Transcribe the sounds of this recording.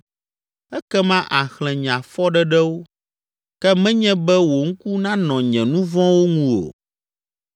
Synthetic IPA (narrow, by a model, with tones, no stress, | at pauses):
ɛ˦kɛ˦mã˦ʔa˨xl̃ɛ̃˨ɲ˨ã˨fɔ˦ɖɛ˦ɖɛ˦wo˦ | kɛ˦mɛ̃˦ɲɛ̃˦bɛ˦wo˨ŋ̩˦ku˦nã˦nɔ̃˨ɲɛ̃˨nũ˦vɔ̃˦wo˦ŋũ˦o̰˨